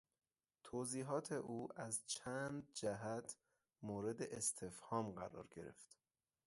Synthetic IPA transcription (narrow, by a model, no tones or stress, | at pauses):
t̪ʰoːziːɦɒːt̪ʰe̞ʔuːʔæzt͡ʃʰæːnnd̪̚d͡ʒæɦæt̪ʰ | moːɾe̞d̪eʔest̪ʰe̞fhɒːmɢæɾɒ̰ːɾɟe̞̰ɾe̞̰ft̪